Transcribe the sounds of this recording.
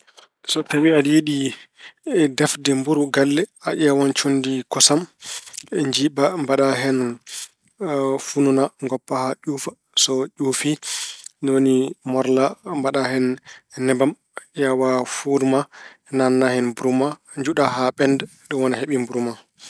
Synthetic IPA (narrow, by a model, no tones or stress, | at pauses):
sɔtawiajiɗi | dɛfdɛmbuɾuɡalːɛaʔawant͡ʃondikɔsam | ɛɲd͡ʒiɓambaɗaɦɛn | fununaŋɡɔpːahaʔuːfa | sɔʄufinonimɔɾlambaɗahɛnnɛbam | ʔawafuɾma | nanːahɛnbuɾuma | ɲd͡ʒuɗahaɓɛndɛ | ɗuwɔnaɦeɓimbuɾuma